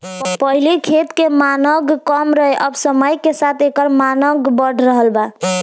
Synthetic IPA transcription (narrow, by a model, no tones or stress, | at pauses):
pəɦilikʰet̪kemanəɡkəmɾəɦeʔəbsəməjkesat̪ʰekəɾmanəɡbəɽ̤ʱɾəɦəlba